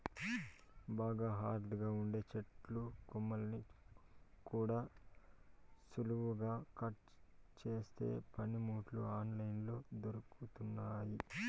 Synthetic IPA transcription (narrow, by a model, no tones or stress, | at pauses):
baːɡaːɦaːɾd̪ɐɡaːuɳɖe̞ːt͡ʃeʈlukumːɐlɐni | kuːɽaː | suluʋuɡaːkɐʈt͡ʃe̞ːst̪e̞̰ːpɐnimuːʈluaːnlɐjnlo̞ːd̪oɾɐkut̪unːaːji